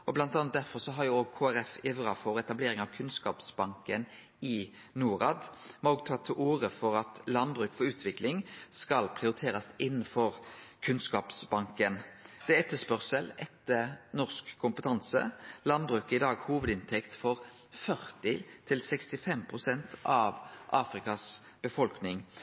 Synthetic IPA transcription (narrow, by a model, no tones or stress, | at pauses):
ɔblɑnt̪ɑnɑt̪̚d̪æɾfɔʁsɔɦɑɾjʊoːɡ̚kʰoːæɾɛfɪʋʁɑfɔɾɛt̪ɑbleːɾɪŋɑʋkʰʉnskɑ̰ːpsbɑŋkən | ɪ | nuːʁɑ̰ːd̪mɛoːɡ̚t̪ʰɑt̪ʰːɪʔuːɾəfɔɾɑt̪lɑnbɾʉːkfɔɾʉːt̪ʰʋɪklɪŋskɑlpʰʁɪʊɾɪt̪ʰeːɾɑsɪnːənfɔɾkʰʉnskɑːpsbɑŋkənd̪̥ɛæɛt̪ːəspœʁsəlɛt̪ːənɔʁskkʰʊmpət̪ʰɑnsə̰lɑnbɾʉːkɪd̪ɑːɡhuːʋəd̪ɪnt̪ʰɛkt̪fɔʁ | fœʁt̪ɪt̪ʰɪlsɛkst̪ɪfɛmpʰʁʊsɛnt̪ʰɑʋʔɑːfɾɪkɑs | b̥əfɔlknɪŋ